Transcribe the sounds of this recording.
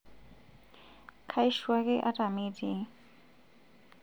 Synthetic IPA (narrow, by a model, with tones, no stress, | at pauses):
kʰa˦i˦ʃwa˦kʼɛ˦ʔa˦tʼa˨me˦di˨